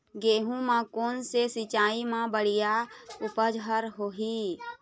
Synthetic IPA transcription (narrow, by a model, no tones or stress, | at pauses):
ɡeɦũmãkoːnsesit͡ʃaimãbəɽ̤ijaupəd͡ʒʱɦəɾɦoɦi